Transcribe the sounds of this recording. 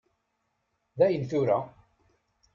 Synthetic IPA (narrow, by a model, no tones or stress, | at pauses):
ðæjənθʊɾæ